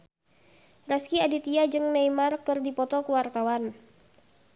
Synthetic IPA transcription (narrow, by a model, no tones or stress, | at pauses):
raskiadit̪iad͡ʒɨŋnaimarkɨrdipɔt̪ɔkuwart̪awan